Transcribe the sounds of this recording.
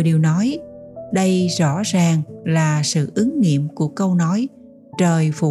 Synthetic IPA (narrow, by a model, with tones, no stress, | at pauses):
ɗi˨˩əwnɔ˨˦jɗə˧jzɔ̰˧˥zaː˨˩ŋlaː˨˩sɨ̰˧˨ʔɨ˨˦ŋŋḭ˧˨əmku˧˩əkə˧wnɔ˨˦j | t͡ɕəː˨˩jfṵ˧˩